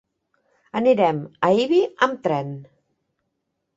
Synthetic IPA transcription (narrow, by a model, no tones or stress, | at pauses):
əniɾɛməiβiəmt̪ɾɛn